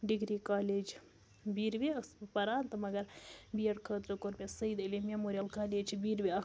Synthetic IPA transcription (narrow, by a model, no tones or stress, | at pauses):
ɖiɡɾiːkaːleːd͡ʒ | biːɾʋespɐɾaːnt̪ɐmɐɡɐɾbijɐɽkʰəːt̪ɾɨkoɾbʲesɐid̪ɐlimemoːɾʲijalkaːleːd͡ʒbiːɾʋiɐ